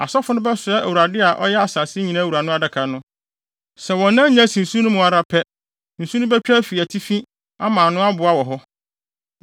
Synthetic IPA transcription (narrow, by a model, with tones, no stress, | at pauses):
a˨sɔ˦fʊ˦nʊ̃˦bɛ˦sʊ˨ɛ˦æ˨wu˨ɾa˨dɪ˦a˨ʔɔ˦jɛ˦a˨saː˨sɪ˦ɲĩ˨nã˦wu˨ɾa˨nʊ̃˦a˦da˨kʰa˨nʊ̃˦ | sɛ˨wɔ̃˨nã˦ɲã˦sĩ˨n̩˨su˦nʊ̃˦mʊ̃˨a˨ɾa˦pʰɛ˦ | n̩˨su˦nʊ̃˦bɛ˦t͡ɕᶣa˦fi˨æ˨tʰi˦fĩ˦ | a˦mãː˨nʊ̃˦a˦bʊ˨a˦wɔ˨ɦɔ˦